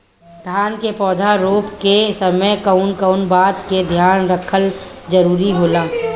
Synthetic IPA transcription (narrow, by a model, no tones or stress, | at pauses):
d̪ʱjaːnkepɔːd̪ʱaɾoːpkesəməjkəʊnkəʊnbaːd̪ked̪ʱjaːnɾəkʰəld͡ʒəɾuːɾiɦoːlaː